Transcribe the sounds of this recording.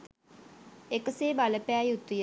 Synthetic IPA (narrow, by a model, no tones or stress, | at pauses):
ekəseːbaləpæːjut̪ːuj